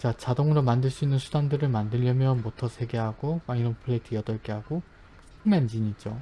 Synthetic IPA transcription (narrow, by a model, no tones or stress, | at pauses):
t͡ɕat͡ɕadoŋɯɾomandɯɭs͈uinːɯnsʰudamdɯɾɯɭmandɯʎːʌmjʌnmotʰʌsʰe̞ɡe̞ɦaɡomainonpʰɯɭːetʰɯjʌdʌɭk͈e̞ɦaɡo | pʰɯmand͡ʑiɲid͡ʑo